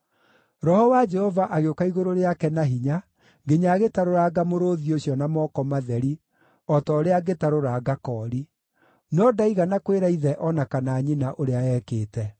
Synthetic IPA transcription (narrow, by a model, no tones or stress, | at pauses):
ɾɔhɔwad͡ʒɛhɔvaʔaɣeokaiɣoɾoɾeakɛnaɦiɲa | ɡeɲaːɣetaɾoɾaɡamoɾoːðioɕjɔnamɔːkɔmaðɛɾi | ɔtɔɾeaɡetaɾoɾaːɡakɔːɾi | nɔdaiɣanakweɾaiðɛʔɔnakanaːɲinaʔoɾeaɛːkeːtɛ